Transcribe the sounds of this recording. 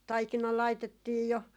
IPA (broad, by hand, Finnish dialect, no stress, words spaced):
tɑikinɑ lɑitetːiːj jo